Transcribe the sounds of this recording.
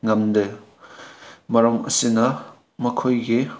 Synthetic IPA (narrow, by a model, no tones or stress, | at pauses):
ŋɐmdɯ | mɐɾɐmɐ̰sinɐ | mɐkʰojɡi